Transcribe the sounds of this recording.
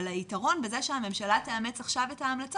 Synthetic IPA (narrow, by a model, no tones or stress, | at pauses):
laitaʁo̞nbezeʃehame̞mʃalateamet͡saχʃave̞taːmlat͡s